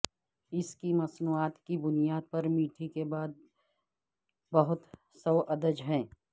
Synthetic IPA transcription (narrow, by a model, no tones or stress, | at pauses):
ɪskimɐsnuːaːt̪kibʊnijaːd̪̚pɐɾmiːʈʰikebaːd̪̚ | bəɦʊt̪ | səːʔɐd̪əd͡ʒɦɛ̃ː